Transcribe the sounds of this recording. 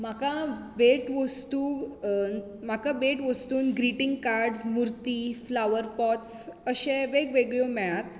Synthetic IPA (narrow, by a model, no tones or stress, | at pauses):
makã | beʈʋəst̪uː | m̤akabeʈʋəst̪uːnɡɾiʈĩŋɡkaɾɖzmuɾt̪iːflaʋəɾpɔtsəɕẽʋeɡʋeɡɭomɛɭãt̪